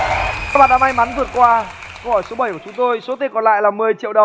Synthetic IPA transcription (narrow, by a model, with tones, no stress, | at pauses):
a˧˦ɓa̰ː˨˩nɗaː˧˥ma˧jma˨˦nvɨ˨˩ət̚kwaː˧ko˧˦hɔ˧˩jso˨˦ɓə˧˩jku˧˩˨t͡ɕʊ˨˦ŋ͡mt̪o˧jso˨˦t̪i˧˩nkɔ˨˩nla̰ː˧˨jlaː˨˩mɨ˨˩əjt͡ɕḭ˧˨əwɗə˨˩ŋ͡m